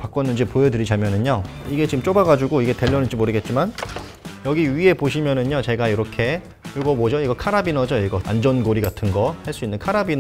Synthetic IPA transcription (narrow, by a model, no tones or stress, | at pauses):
pak͈ʌnːɯnd͡ʑipojʌdɯɾid͡ʑamjʌnɯɲoiɡe̞t͡ɕimt͡ɕ͈obaɡad͡ʑuɡoiɡe̞te̞ʎːʌnɯd͡ʑimoɾɯɡe̞t̚t͡ɕ͈iman | jʌɡiɥie̞poɕ̬ʰimjʌnɯɲot͡ɕe̞ɡajiɾʌkʰe̞ | juɡʌmʌd͡ʑʌiɡʌkʰaɾabinʌd͡ʑʌiɡʌa̰nd͡ʑʌnɡoɾiɡatʰɯnɡʌhaɭs͈uinːɯnkʰaɾabin